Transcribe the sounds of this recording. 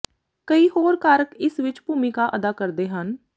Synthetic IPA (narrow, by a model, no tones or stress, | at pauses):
kəiːhoːɾkaːɾəkɪsʋɪt͡ʃbʱuːmikaːʔəd̪aːkəɾd̪eːɦən